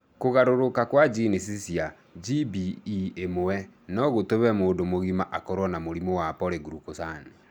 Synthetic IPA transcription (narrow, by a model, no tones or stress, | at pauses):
koɣaɾoɾokakwad͡ʒinisisia | d͡ʒibiːemowɛnɔɣotoβɛmoːndomoɣimaʔakɔɾwɔnamoɾimowapɔɾeɡuɾukosani